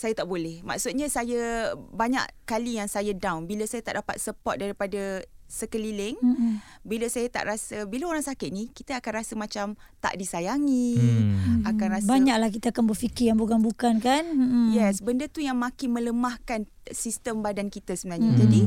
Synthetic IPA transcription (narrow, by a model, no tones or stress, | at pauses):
sajat̪aʔbolɛhma̰ksut̪̚ɲasajəbaɲa̰ʔkalijaŋsajadawnbiləsajat̪aʔdapat̪̚səpɔt̚daɾipadasəkəlilɪŋ | bilasajat̪a̰ʔɾasəbilaoɾaŋsakɪt̪̚nikit̪aakanrasəmãt͡ʃam | t̪a̰ʔdisajaŋĩ | akanrasbaɲaklahkit̪aːkanbərfikɪjaŋbukanbukankanjɛsbəndət̪ujaŋmãkɪmə̃ləmahkan | sist̪əmbadankit̪əsəmənãɲad͡ʒadi